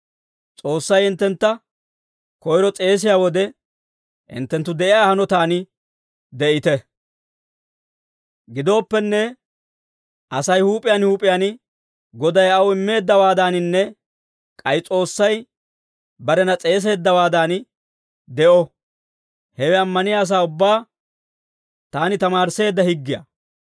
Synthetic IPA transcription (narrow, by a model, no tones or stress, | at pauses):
t͡sʼo̞ːsːɐjɪnt̪ːɛnt̪ːɐ | kɔjɾɔt͡sʼe̞ːs̬ɪjaːwɔd̪ɛ | hɪ̰nt̪ːɛnt̪ːʊd̪ɛʔɪjaːhɐnɔt̪aːnɪ | d̪ɛʔɪt̪ɛ | ɡɪd̪o̞ːpːɛnːɛ | ʔɐsɐjhuːpʼɪjaːnhuːpʼɪjaːn | ɡɔd̪ɐjɐwɪmːe̞ːd̪ːɐwaːd̪aːnɪnːɛ | kʼɐjt͡sʼo̞ːsːɐj | bɐɾɛnɐt͡sʼe̞ːs̬e̞ːd̪ːɐwaːd̪aːn | d̪ɛʔɔ | hɛwɛɐmːɐnɪjaːs̬aːʊbːaː | t̪aːnɪt̪ɐmaːɾse̞ːd̪ːɐhɪɡːɪjɐ̰